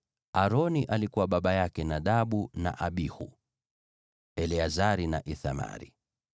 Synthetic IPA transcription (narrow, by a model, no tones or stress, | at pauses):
aɾɔniʔalikuwaɓaɓajakɛnaɗaɓuna̰ʔaɓihu | ɛlɛazaɾinaʔiθama̰ɾḭ